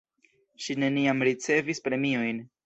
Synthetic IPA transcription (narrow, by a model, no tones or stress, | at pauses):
ʃine̞niamɾit͡se̞vispɾe̞mio̞jn